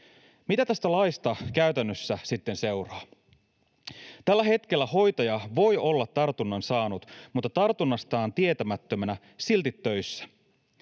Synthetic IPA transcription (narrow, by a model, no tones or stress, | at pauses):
mit̪æt̪æst̪ælɑjst̪ɑkæyt̪ænːøsːæsit̪ːe̞nse̞wrɑː | t̪ælːæɦe̞t̪k̟e̞lːæho̞jt̪ɑjɑʋo̞jo̞lːɑt̪ːɑrt̪unːɑnsɑːnut̪mut̪ːɑt̪ɑrt̪unːɑst̪ɑːnt̪ie̞t̪æmæt̪ːømænæ | silt̪it̪ːø̞jsːæ̥